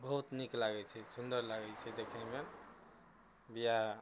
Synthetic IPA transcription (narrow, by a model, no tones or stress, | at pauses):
bəɦut̪niklaɡɛt͡ʃʰɛsund̪əɾlaɡɛlt͡ʃʰɛd̪ekʰɛme | bija